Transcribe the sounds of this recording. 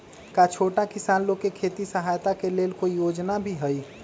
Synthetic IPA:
kat͡ʃʰoːʈakɪsaːnlokːekʰeːt̪isəɦaːjt̪akeleːlkoijoːd͡ʒnabʱiɦɛi

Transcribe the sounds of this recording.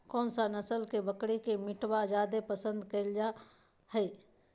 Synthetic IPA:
kɔːnsanəsəlkebəkɽikemɪʈwad͡ʒaːd̪epəsə̃nd̪keɪld͡ʒa | hɛi

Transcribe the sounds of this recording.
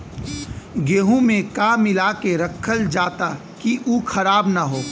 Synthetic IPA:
ɡeːɦũmẽkaːmɪlaːkeɾɐkʰːəld͡ʒaːt̪a | kiʔuːkʰɐɾaːbnaɦoː

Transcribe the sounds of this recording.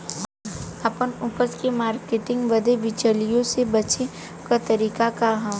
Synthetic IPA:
ɐpənʊpəskemaːɾkeʈɪ̃ŋɡʋɐd̪eʋɪt͡ʃəlijõsebɐt͡ʃʰe | kat̪ɐɾiːkakaɦãː

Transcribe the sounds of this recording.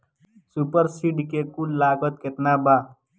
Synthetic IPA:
supəɾsiʈkekulːaːɡət̪̚ket̪nabaː

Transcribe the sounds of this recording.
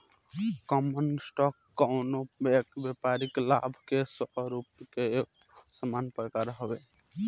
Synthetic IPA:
kɔmənsʈɔkːɔʊnoekbjepaɾiklabʱkesəɦɾupke | səmanpɾəkaɾɦobe

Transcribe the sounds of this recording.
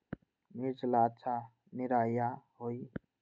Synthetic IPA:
miɾd͡ʒlatːt͡ʃʰa | niɾajaɦoj

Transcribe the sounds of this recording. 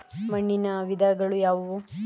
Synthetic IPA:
mɐɳːinɐʋid̪ʱɐɡɐɭujaːʋɐʋu

